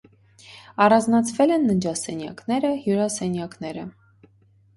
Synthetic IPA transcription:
ɑrɑnd͡znɑt͡sʰvɛlɛnːənd͡ʒɑsɛnjɑ̰knɛɾəhjuɾɑsɛnjɑknɛɾə

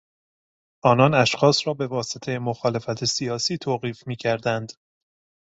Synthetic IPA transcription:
ʔɒːnɒːnæʃxɒːsɾɒːbe̞vɒːset̪ʰejemoxɒːle̞fæt̪ʰe̞sijɒːsiːt̪ʰoːɣiːfmiːcʰæɾd̪ænd̪̥

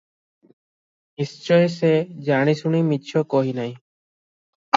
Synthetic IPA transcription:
ist͡ʃɔjsed͡ʒaɽ̃isuɽ̃imitːt͡ʃʰɔkɔɦinaj̃

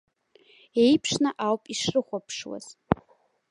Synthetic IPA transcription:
ejpʰʂnaʔawpʼiʂrɨχʷapʰʂwa̰z̥

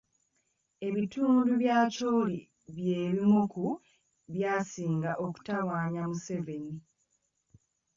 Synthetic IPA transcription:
e̞βituːnduβjaːco̞ːli | βje̞ːβimuku | βjaːsiːŋɡaʔo̞ku̥tawaːɲamuse̞ve̞ni

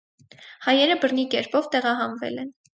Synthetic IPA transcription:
hɑjɛɾəbəɾnikɛɾpɔvt̪ɛʁɑɦɑnvɛ̰lɛn

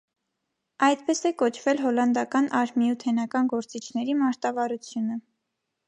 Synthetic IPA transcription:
ɑjd̪pɛsɛkɔt͡ʃʰvɛlɦɔlɑnd̪ɑkɑnʔɑɾmiut̪ʰɛnɑkɑnɡɔɾt͡sit͡ʃʰnɛɾimɑɾt̪ɑvɑɾut͡sʰjunə

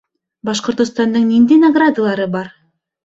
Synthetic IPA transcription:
bɑʃqŏɾt̪ŏst̪ɑnd̪ɤɴnind̪ejnaɡrad̪əlˠɑɾɤbɑɾ

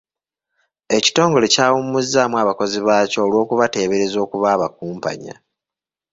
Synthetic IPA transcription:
e̞ci̥to̞ːŋɡo̞le̞caːwumuzaːmwaːβako̞ziβaːco̞ːlwo̞ːkuβate̞ːβe̞ɾe̞zo̞ːkuβaːβakuːmpa̰ɲa̰

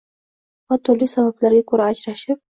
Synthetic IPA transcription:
mat̪olisabablaɾikoɾaːt͡ʃɾaʃɪp̚

